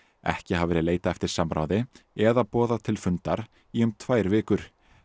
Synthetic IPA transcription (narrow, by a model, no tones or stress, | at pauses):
ɛ̰hcɪɦavɛːɾɪðleːjt̪aɛft̪ɪɾ̥samɾa̰wðɪɛðapɔːðat̪ʰɪlfʏnt̪aɾ̥ | iʏmt̪ʰvaːjɾvɪːkʏɾ̥